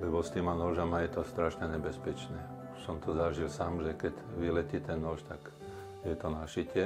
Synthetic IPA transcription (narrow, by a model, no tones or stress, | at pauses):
lɛbɔst̪iːmanɔʒamajɛt̪ɔst̪ɾaʃɲɛɲɛbɛspɛt͡ʃnɛː | sɔmt̪ɔzaʒilsaːmʒɛkɛɟʋilɛcit̪ɛnːɔʃt̪ak | jɛt̪ɔnaʃicɪɛ